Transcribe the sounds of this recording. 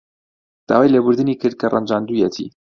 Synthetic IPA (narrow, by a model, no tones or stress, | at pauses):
d̪̥a̰ːwaːjleːbʊɾd̪ɨnikʰɨɾd̪̚kʰɐrʔa̰nd͡ʒaːnd̪ujɛt̪ʰḭː